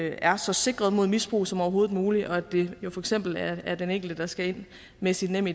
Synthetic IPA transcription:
æɐsɒ̽se̝ɡ̥ʁɐð̞ˠmo̝ð̞̰ˠmisb̥ʁṵːsɒ̽mɒʊɐɦo̝ːð̩ˠmuːliʔɒ̽æd̥e̝jo̝fɒ̽eɡ̥sem̰b̥l̩æɐd̥eneŋɡ̥l̩d̥əd̥ɑ̈sɡ̥æe̝n̰ | mesid̥nem̰i

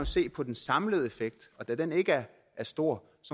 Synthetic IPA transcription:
ose̝̰ːpʰɒ̽d̥ensɑ̈mləð̞ˠe̝feɡ̥̚d̥ɒ̽d̥æd̥ene̝ɡ̥əæɐ | æɐsd̥o̝ɐ̰ | sɒ

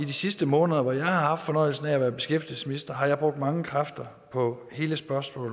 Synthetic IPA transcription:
id̥isisd̥əmɔ̽ːnəðˠɐʋɒjɑ̈ɪhɑ̈hɑ̈fd̥fɒ̽nɒ̽ɪl̩sn̩ææʋæːɐb̥e̝sɡ̥efd̥il̩səsminisd̥ɐɦɑ̈jɑb̥ʁɔ̽ɡ̥̚d̥mɑ̈ŋəkʰʁɑfd̥ɐ | pʰɒ̽he̝ːləsb̥ɶɐsmɔ̰ːl

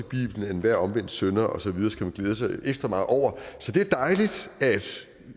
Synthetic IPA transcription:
eb̥ḭːb̥lən̩enʋæɐ̰ɒ̽mʋen̰d̥sønɐʔɒ̽sɒ̽ʋið̞ˠɐːsɡ̥æmænɡ̥leːð̞ˠəsɑ̈ɪeɡ̥sd̥ʁɐmɑ̈ːð̩ˠʔɒʊ̰ɐsɒ̽d̥e̝æɐd̥ɑ̈ɪlid̥æd̥

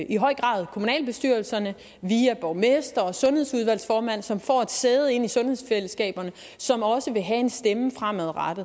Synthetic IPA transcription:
iɦɒ̽ɪ̰ɡ̥ʁɑ̰̈ːð̞ˠkʰo̝munɛ̰ːlb̥e̝sd̥yɐ̰lsɐnə | ʋiæb̥ɒʊmesd̥ɐɒ̽sɔ̽nhe̝ð̞̰ˠsuðˠʋæl̰sfɒːmæn̰sɒ̽mfɒ̰ːe̝d̥seːð̞̩ˠe̝n̰isɔ̽nheðˠsfel̰əsɡ̥ɛ̰ːb̥ɐnə | sɒ̽mɒ̽səʋe̝ɦæe̝nsd̥eməfʁam̰æðˠʁɑd̥ð̩ˠ

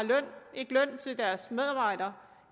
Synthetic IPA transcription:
lœn̰e̝ɡ̥lœn̰t͡sʰe̝ld̥æɐsmeð̞ˠɑ̈b̥ɑ̈ɪ̰ɾ̥ɐ

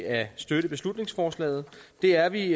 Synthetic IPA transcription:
æsd̥øɾ̥əb̥e̝slud̥ne̝ŋsfɒːslɛ̰ːð̩ˠd̥e̝æɐʋi

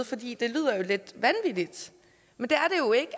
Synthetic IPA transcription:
ð̩ˠfɒ̽d̥ḭːd̥e̝ly̰ːð̰ˠɐjo̝le̝d̥ʋænʋidid̥ | mend̥eæɐɾe̝jo̝e̝ɡ̥ə

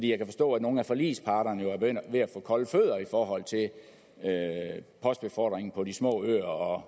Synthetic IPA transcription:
d̥ḭːjɑɪkʰæfɒ̽sd̥ɔ̰̽ːæ̥no̝ːn̩æfɒlḭːspʰɑ̈ːɾ̥ɐnəjo̝æɐb̥eɡ̥øn̰d̥ʋe̝æfɔ̽ːkʰɒ̽lføð̞̰ˠɐifɒːɦɒ̽l̰t͡sʰe̝l | øpʰɒ̽sd̥b̥e̝fɒ̰ːd̥ʁeŋn̩pʰɒ̽dismɔ̰̽ːø̰ɐɒ̽

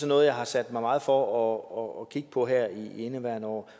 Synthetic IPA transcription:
sɒnɔ̽ːðˠjɑ̈ɪhɑ̈sæd̥mɑ̈ɪmɑ̈ːð̞̩ˠfɒɒɒːkʰiɡ̥ə̥pʰɒ̽ɦæɐ̰ienəʋæɐ̰nɒ̰ː

